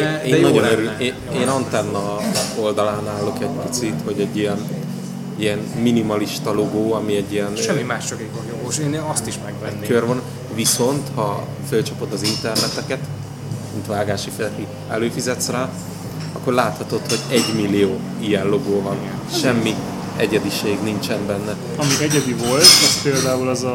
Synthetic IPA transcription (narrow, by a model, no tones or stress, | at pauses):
eːnːɒonøɾyle | eːnɒnt̪ɛnːɒo̞ld̪ɒlaːnaːlːo̞kɛɟ̚pi̥t̪sit̪ho̞ɟɛɟːijɛn | iɛnminimɒliʃt̪ɒlo̞ɡoːɒmiɛɟːijɛnʃɛmːimaːʃt͡ʃɒkekonjoɡoʃeːneɒst̪iʃmɛɡvɛːkørvon | ʋiso̞nt̪hɒ | følt͡ʃɒpo̞d̪ɒzint̪ɛrnɛt̪ɛkɛt̪ | mint̪ʋaːɡaːʃifɛlɛt̪i | ɛ̰løːfizɛt̪sraː | ɒkːo̞rlaːt̪hɒt̪o̞t̪ho̞ɟɛɟmilːijoː | ijɛnlo̞ɡoːvɒn | ʃɛmːi | ɛɟɛd̪iʃeːɡnint͡ʃɛmbɛnːɛ | ɒmiɛɟɛd̪ivolt̪ɛspeːld̪aːulɛzɒ